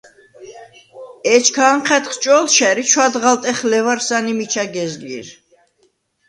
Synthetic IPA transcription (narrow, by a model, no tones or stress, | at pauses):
ɛt͡ʃʰkʰaɴχʰɛt̪χt͡ʃʼɔlʃɛɾit͡ʃʰwad̪ʁalt̪ʼɛχlɛvaɾsanimit͡ʃʰaɡɛzlḭɾ